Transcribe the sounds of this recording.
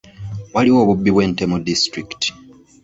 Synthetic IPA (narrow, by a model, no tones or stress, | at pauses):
waliwo̞ːβubːiβwe̞ːnte̞mudistɾikti̥